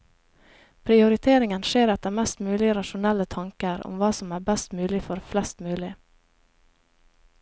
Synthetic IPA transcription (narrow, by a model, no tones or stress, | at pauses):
pʰɾɪʊɾɪt̪ʰeːɾɪŋənʃeːɾɑt̪̚d̪ɛæːmɛst̪mʉːlɪəɾɑʃʊnɛlːət̪ʰɑŋkəɾʊ̰mʋɑːsɔmæːɾbɛst̪mʉːlɪfɔɾflɛst̪mʉːlɪ